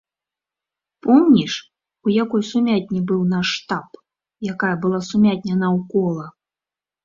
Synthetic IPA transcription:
pɔmnʲiʂ | ujakɔjsumʲat̚ʲnʲibɨwnaʂt̪ap | jakajɐbɨlˠasumʲat̚ʲnʲɐnawkɔlˠɐ

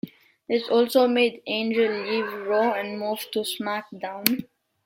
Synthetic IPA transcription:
ɪsɔːlsoːmeːɖẽːnd͡ʒəlːiːʋɾoːɛ̃nmuːvʈusmak̚ɖãʊ̃n

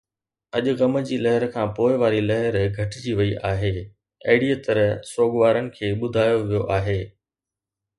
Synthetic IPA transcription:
ɐʄʊ̆ɣɐmd͡ʑiːlɐɦɪɾkʰãːpoːɪʋaːɾilɐɦɪɾɡʱɐʈɪd͡ʑiʋɐiʔaːɦeː | eːɪɽiət̪əɾsoːɠʋaːɾənɪ̆kʰeːɓʊd̪ʱaːjoʋijoʔaːɦeː

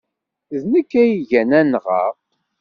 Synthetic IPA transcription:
ðnəkːæjʝænænʁɑ̰q

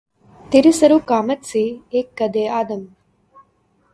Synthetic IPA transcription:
t̪iɾisɐɾukaːmɐt̪sieːkːɐd̪eːaːd̪ɐm

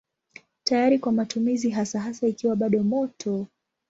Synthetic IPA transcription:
tajaɾikwamatumiziɦasaɦasaikiwaɓaɗɔmɔtʰɔ

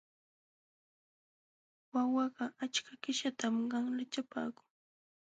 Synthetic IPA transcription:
wawɑɢɑat͡ʃkakɪʃat̪amɢɑŋlat͡ʃapa̰ːkʊ̥ŋ

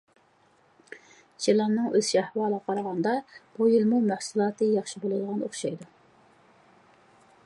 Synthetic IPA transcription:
t͡ʃʰielˠɑnːɨŋʔøzʃæhwɑːlˠəʁɑqʰɑɾɑʁɑnd̪ɑb̥ujilmumæhsulˠɑːt̪ɨjɑχʃibolˠɨd̪əʁɑnoχʃɑjd̪u

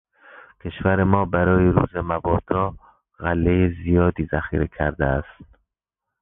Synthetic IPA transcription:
kʲʰe̞ʃvæɾemɒːbæɾɒːjeɾṵːzemæbɒːd̪̥ɒː | ɣælːejezijɒːd̪iːzæxḭːɾekʰæɾd̪eæst̪

